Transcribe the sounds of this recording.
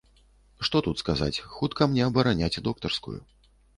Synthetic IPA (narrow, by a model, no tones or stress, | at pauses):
ʂt̪ɔt̪ut̪skaza̰t͡sʲxut̪kɐmnʲɛɐbɐɾanʲat͡sʲd̪ɔk̚t̪ɐrskṵjṵ